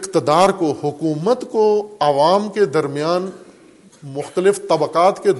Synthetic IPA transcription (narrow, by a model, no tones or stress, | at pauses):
ɪqt̪ɪd̪aːɾkohʊkuːmət̪koɐʋaːmked̪ɐɾmijaːn | mʊxt̪əlɪft̪ɐbəqaːt̪ke